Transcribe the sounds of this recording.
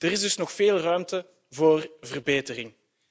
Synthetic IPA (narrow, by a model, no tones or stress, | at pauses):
d̥əɾɪzdɵsnɔxfeːlˠrœɥmtə | voːrvərbeːtərɪŋ